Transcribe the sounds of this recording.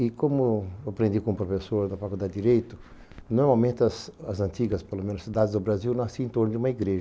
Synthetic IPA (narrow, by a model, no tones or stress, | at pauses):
ɪkõmʊapɾẽnd̪ikõmʊpɾofesoɾd̪ɐfakuld̪ad̪ɪd̪iɾejt̪ʊ | noɾmawmẽnt̪ɪɐsɐzɐ̃nt̪iɡɐspelomẽnʊsid̪ad̪ɪzd̪ʊbɾaziwnɐ̃siẽnt̪oɾnʊd͡ʒɪũmɐiɡɾeʒɐ